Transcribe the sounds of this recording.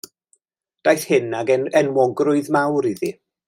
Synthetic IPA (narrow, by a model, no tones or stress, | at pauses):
d̥ajθhɪnaɡɛɛnwɔɡrʊɨðmawɾiði